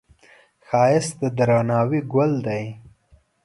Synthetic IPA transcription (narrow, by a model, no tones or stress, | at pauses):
xɑːjɪsd̪əd̪ɾanɑːwiɡwʊld̪aj